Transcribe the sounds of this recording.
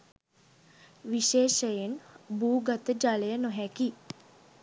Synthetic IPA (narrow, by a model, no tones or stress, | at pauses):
ʋiʃeːʃəjenbuːɡat̪əd͡ʒaləjənoɦɛki